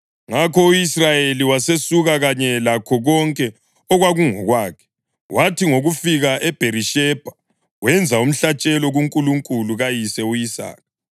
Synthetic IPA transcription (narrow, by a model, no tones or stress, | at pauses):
ŋakʰɔujisrajeliwasesuɣaɣaɲɛlakʰɔɣɔŋkʼɛ | ɔɣwaɣuŋɔɣwaːkʰɛ̥ | wʔatʰiŋoɣufiɣaʔɛb̥ʱeɾiʃɛb̥ʱa | wɛnd͡zʱaum̩ɬat͡ʃʼɛlɔɣuŋkʼuluŋkʼuluɣajisɛujisa̰ːna